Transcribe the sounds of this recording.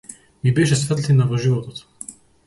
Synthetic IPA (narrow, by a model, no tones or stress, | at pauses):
mibɛʃ̬ɛsvɛt̪linavɔʒivɔt̪ɔt̪